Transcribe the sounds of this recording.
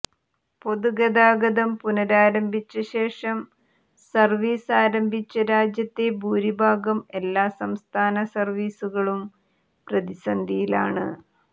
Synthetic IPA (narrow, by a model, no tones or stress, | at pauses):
po̞ðuɡɐd̪aːɡɐðɐmpunɐɾaːɾɐmbʱit͡ɕːɐɕe̞ːʂɐm | sɐrʋiːsaːɾɐmbʱit͡ɕːɐɾaːd͡ʑjɐt̪ːebuːɾibʱaːɡɐme̞lːaːsɐmst̪ʰaːnɐsɐrʋiːsuɣɐɭum | prɐðisɐnd̪ʱijilaːɳɨ̰